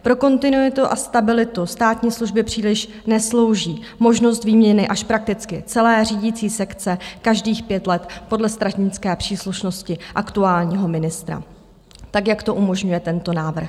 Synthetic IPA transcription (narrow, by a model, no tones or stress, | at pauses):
pɾo̞ko̞nt̪ɪnujɪt̪uʔa̰st̪abɪlɪt̪ust̪aːt̪ɲiːsluʒbɪpr̝̥iːlɪʃ | nɛslo̞wʒiː | mo̞ʒno̞st̪viːmɲɛnɪʔaʃpɾak̚t̪ɪt͡skɪt͡sɛlɛːriːɟit͡siːsɛkt͡sɛkaʒdiːxpjɛt̪lɛt̪po̞dlɛst̪ɾatɲɪt͡skɛːpr̝̥iːsluʃno̞scɪʔakt̪uaːlɲiːɦo̞mɪnɪst̪ɾa̰ | t̪akjakt̪o̞ʔumo̞ʒɲujɛt̪ɛnt̪o̞naːvr̩x